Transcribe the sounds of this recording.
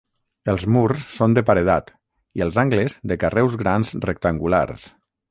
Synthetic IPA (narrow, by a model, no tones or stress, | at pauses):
əlˠzmursːond̪əpaɾəðat̪ | iəlˠzaŋɡləzðəkarɛwzɣɾanzrək̚t̪əŋɡula̰ɾs